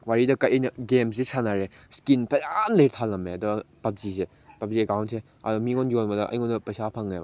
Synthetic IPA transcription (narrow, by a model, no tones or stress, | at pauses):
waɾidɐkɐjɐjnɐɡems̬isʰanaɾe | skinpɐjamlejɾtʰalɐmeɐdɔpɐp̚zise | pɐp̚ziekawntse | ɐdɔmiŋɔnɡiɔnmɐdɐʔɐ̰jŋɔndɐpɐjsapʰaŋːajba̰